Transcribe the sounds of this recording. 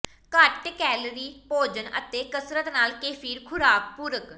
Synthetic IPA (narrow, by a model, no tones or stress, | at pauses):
kəʈkɛːlɾiːpoːd͡ʒənə̰t̪eːkəsɾət̪naːlkeːfʰiːɾkʰʊɾaːk̚puːɾək